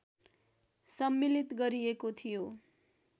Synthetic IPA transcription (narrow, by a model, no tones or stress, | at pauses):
sʌmːilit̪ɡʌɾiekot̪ʰijo